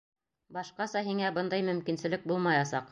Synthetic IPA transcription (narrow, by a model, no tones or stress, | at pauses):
bɑʃqɑsɑɦiŋæbɤnd̪ɑjmɵ̆mkinsɘ̆lɘk̚bulˠmɑjɑsɑq